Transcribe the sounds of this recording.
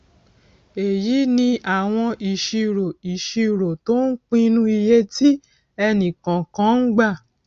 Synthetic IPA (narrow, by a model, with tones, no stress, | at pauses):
e˨ji˨˦nĩ˧ʔa˨w̃ɔ̃˧ʔi˨ʃi˧ɾo˨i˨ʃi˧˨ɾo˨to˦n̩˦k͡pĩ˦nũ˦i˧je˦ti˦ | ɛ˧nĩ˨kã˨kã˨˦n̩˦ɡ͡ba˦˨